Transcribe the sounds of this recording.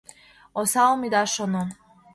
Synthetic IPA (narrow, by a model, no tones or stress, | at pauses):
ɔsalmid̪aʃɔnɔ